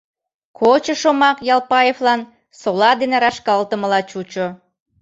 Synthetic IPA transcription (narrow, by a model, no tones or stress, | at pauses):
kʰot͡ɕə̆ʃomɑkjɑlˠpɑjeflˠɑn | solɑd̪eneɾɑʃkɑlˠt̪əməlɑt͡ɕut͡ɕo